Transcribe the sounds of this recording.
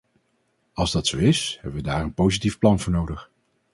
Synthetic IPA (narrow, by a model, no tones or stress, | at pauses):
ɑlˠzdɑtsowɪshɛbəʋədaːɹənpowzitifplɑnvʊːɹnowdəχ